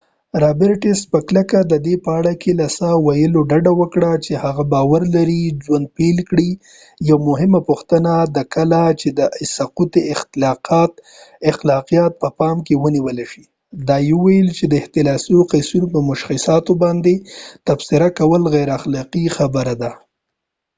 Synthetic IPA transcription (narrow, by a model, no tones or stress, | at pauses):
ɾɑbɪɾʈɪspəklakad̪əd̪epəaɽakʰelasawajəloɖaɖawəkɽat͡ʃehaɣabɑwaɾlaɾid͡ʒwand̪̚pelkɽi | jawmʊɦɪmapuxt̪ənad̪əkəlat͡ʃed̪əɪsaqut̪eɪxt̪ɪlɑqɑt̪̚ | ɪxlɑqijɑt̪̚pəpɑmkewəniwəleʃi | d̪ɑjeuwajəlt͡ʃed̪əɪht̪ɪlɑsijoqajsunopəmʊʃxɪsɑt̪obɑnd̪et̪afsɪɾakawəlɣajɾaxlɑqixabəɾad̪a